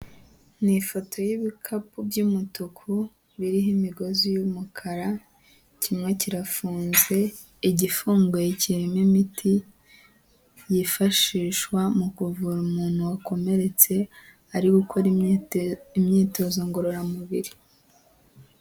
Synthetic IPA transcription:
nifo̞tʰo̞jiβikʰapubɟumutukʰu | βiɾiɦimiɡo̞zujumukʰaɾa | cʰimŋe̞ciɾafuːnze̞ | iɟifuːŋɡojeciɾimimitʰi | jifaʃiːʃwamukuvuɾumuːn̥huwako̞me̞ɾe̞t͡se̞ | aɾiɡukʰo̞ɾ | imɲiːto̞zo̞ŋɡoɾoɾamuβḭɾi

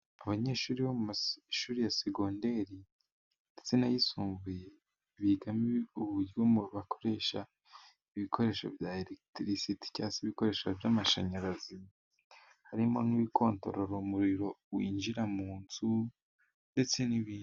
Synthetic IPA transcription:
aβaɲe̞ːʃuːɾiβomumaʃuːɾijaseɡoːnde̞ɾi | ndet͡senajisuːmvuje | βiɡamiuβuɾiwomuβakʰo̞̥ɾe̞ʃa | iβikʰo̞ɾe̞ːʃo̞̰vjaelektɾisiti̥casiβiko̞ɾe̞ːʃavjaːmaʃaɲaɾazi | haɾimo̞niβikʰo̞ːnto̞̰ɾoɾomuɾiɾo̞wiːnd͡ʒiɾamuːnzu | nde̞t͡se̞niβiː

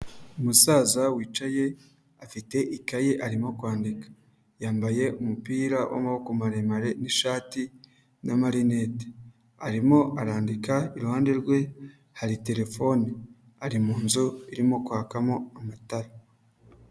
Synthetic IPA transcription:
umusaːzawiːt͡ʃaje̞ | afite̞ʔikajeʔaɾimo̞kwaːndikḁ | jaːmbaje̞umupiːɾawa̰maokomaɾemaɾe̞niʃaːti | namaɾinete̥ | aɾimo̞ʔaɾaːndikaiɾuhaːnde̞ɾɡwe̞ | haɾite̞ɾe̞fo̞ni | aɾimuːnzuiɾimo̞kwaːkamo̞amataɾa

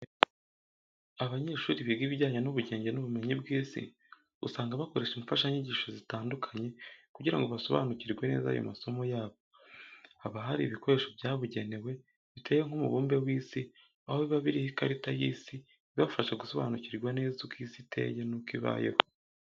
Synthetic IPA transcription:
aβaɲe̞ʃuːɾiβiɡiːβiɟaːɲanuβuɟe̞ːɲɟenuβume̞ɲibɡiːsḭ | ṵsaːŋɡaβako̞ɾe̞ʃumufaʃaɲiɟiʃozitaːndukʰḁɲe̞kuɟiɾa̰ŋɡo̞βaso̞βa̰ːnuciɾɡwene̞̰ːza̰jo̰maso̞mo̞jaːβo | haβaɦaɾiβiko̞ɾe̞ʃo̞vjaːβuɟe̞ne̞we̞ | βite̞ːweŋ̥umṵβuːmbe̞wiːsi | ahoiβaβiɾihikaɾitajiːsi | βafaʃaɡuso̞βa̰nuciɾɡwane̞ːzukiːsitʰe̞̰jenukiβa̰ːjḛho

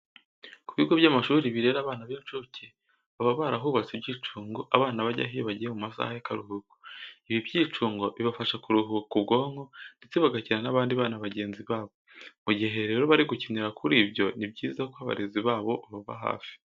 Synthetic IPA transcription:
kuβiɡo̞βɟaːmaʃuːɾiβiɾe̞ɾaːβaːnaβeːnt͡ʃuce | aβaβaɾaɦuːβat͡sibɟiːt͡ʃuːŋɡoʔaβaːnaβaɟa̰ɦiβaɟiɾemumasa̰hajakaɾuhuɡu̥iβibɟiːt͡ʃuːŋɡo̞βiβafaʃakuɾuɦukubɡo̞ːŋɡo̞nde̞t͡seβaɡaciɾanaβaːndiβaːnaβaɟe̞ːnziβaːβo̞muɟiɦe̞ɾe̞ːɾoβaɾiɡuciniɾakʰuɾiːbjo̞nibɟiːzakoaβa̰ɾeziβaːβo̞βaβaβa̰ɦa̰ːfi̥

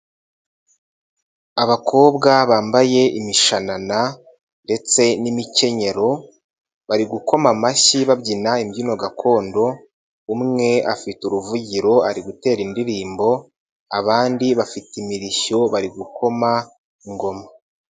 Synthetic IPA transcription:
aβakʰo̞ːβɡaβaːmbaje̞imiʃanana | nde̞t͡se̞nimice̞ɲe̞ɾo̞ | βaɾiɡuko̞mamaçiβabɟinaimjino̞ɡakʰo̞ːndo̞ | umŋe̞a̰fituɾuvuɟiɾo̞aɾiɡute̞ːɾindiɾiːmbo̞ | aβaːndiβafitimiɾiʃo̞βaɾiɡukʰo̞ma | iŋɡo̞ma

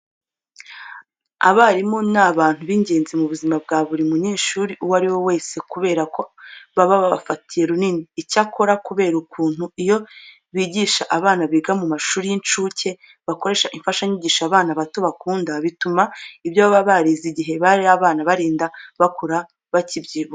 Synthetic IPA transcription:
a̰βaɾimo̞naβaːn̥huβiɲɟe̞ːnzimuβuzimab̚ɡaːβuɾimuɲiːʃuːɾiʔuwaɾiwo̞we̞ːse̞kuβe̞ːɾako̞βaβaβaβa̰fatije̞ɾuniniːcakʰo̞ɾakuβe̞ːɾukʰuːn̥huijo̞ | βiːɟiʃaʔaβaːnaβiɡamumaʃuːɾijint͡ʃuːce̞ | βako̞ɾe̞ːʃaʔiɱfaʃaɲiɟiːʃaβaːnaβatoβakuːndaβitumaibjoβaβaβaɾiziɟiɦe̞βaiaβaːnaβaɾiːndaβakʰoɾa | βacibɟiːβo

